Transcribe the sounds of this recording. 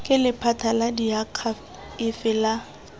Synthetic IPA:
kʼɪlɪpʰatʰaladiakʰa | ɪfɪla

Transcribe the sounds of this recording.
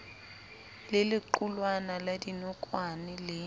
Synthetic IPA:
lɪlɪǃulwanaladinɔkʼwanɪlɪ

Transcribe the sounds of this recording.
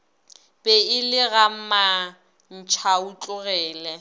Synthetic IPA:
pʼɛɪlɪɣam̩ma | n̩t͡ʃʰaut͡ɬʼʊɣɛːlɛ

